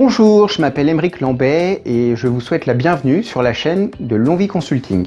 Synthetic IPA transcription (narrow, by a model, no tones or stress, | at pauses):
b̥ɔ̃ʒuʁʒəmapɛlɛmʁiklɑ̃bɛeʒəvuswɛt̪labjɛ̃vnysyʁlaʃɛnd̪əlɔ̃vikɔ̃sylt̪ʰḭ̃ŋɡ